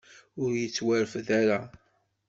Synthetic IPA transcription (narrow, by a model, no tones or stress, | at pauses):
ʊɾjət͡sːwæɾfðæɾa